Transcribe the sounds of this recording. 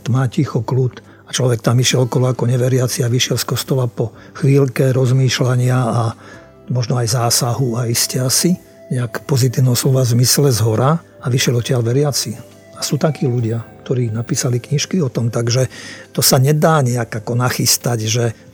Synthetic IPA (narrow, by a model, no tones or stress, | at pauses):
t̪maːcixɔklut̪ | at͡ʃlɔʋɛk̚t̪amiʃɪɛlɔkɔlɔakɔɲɛʋɛɾɪat͡siaʋiʃɪɛlskɔst̪ɔlapɔ | xʋiːlkɛɾɔzmiːʃlaɲɪaa | mɔʒnɔajzaːsaɦuaiscɛasi | ɲɛakpɔzit̪iːʊnɛɦɔslɔʋazmislɛzɦɔɾa | aʋiʃɪjɛlɔcɪalʋɛɾɪat͡si | asuːt̪akiːluɟɪakt̪ɔɾiːnapiːsalikɲiʃkiɔt̪ɔmt̪aɡʒɛt̪ɔsaɲɛd̪aːɲɛakakɔnaxist̪aɟʒɛ